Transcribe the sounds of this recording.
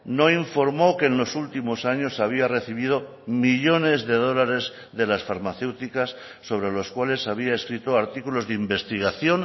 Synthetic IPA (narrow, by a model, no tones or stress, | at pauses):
no̞iɱfo̞ɾmo̞ke̞ːnlo̞sult̪imo̞saɲo̞saβ̞iare̞θiβ̞ið̞o̞ | miʎo̞ne̞zðe̞ðo̞laɾe̞z | ðe̞lasfaɾmaθe̞wt̪ikasː | o̞βɾe̞lo̞skwale̞saβ̞iae̞skɾit̪oaɾt̪ikulo̞zðeimbe̞st̪iɣaθjo̞n